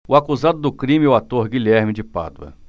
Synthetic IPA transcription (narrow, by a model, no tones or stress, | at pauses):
ʊakuzad̪ʊd̪ʊkɾĩmɪɛʊat̪oɾɡilɛɾmɪd͡ʒɪpa̰d̪ʊɐ̰